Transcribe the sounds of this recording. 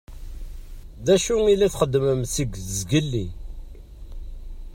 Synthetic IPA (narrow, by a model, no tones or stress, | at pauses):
ðæʃuŋilːiθχəd̪ːməmsiɡʷðəzɡəlːḭ